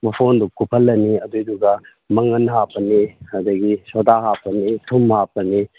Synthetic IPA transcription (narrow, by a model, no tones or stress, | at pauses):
mɐpʰondukupʰɐlːɐniɐdujduɡɐ | mɐŋɐnɦapɐnihɐdɐɡisodaɦapɐnitʰumhapɐni